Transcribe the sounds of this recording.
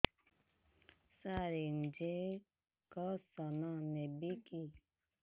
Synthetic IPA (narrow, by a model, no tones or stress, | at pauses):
saɾen̩d͡ʒe | kɔsɔnɔnɛbeki